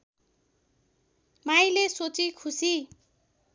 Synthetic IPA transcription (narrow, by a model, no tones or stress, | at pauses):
majlesot͡sikʰusi